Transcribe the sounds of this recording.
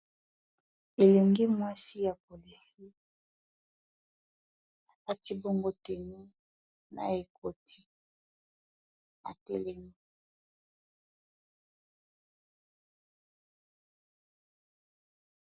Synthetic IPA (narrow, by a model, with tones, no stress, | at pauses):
e˨le˨ŋɡi˦mwa˦si˦ja˨po˨li˨si˦ | a˨ka˦ti˦bo˦ŋɡo˦tɛ˨ne˦ | na̰˨e˨kʰo˨ti̥˦ | a̰˨tɛ̰˦lɛ˦mi˦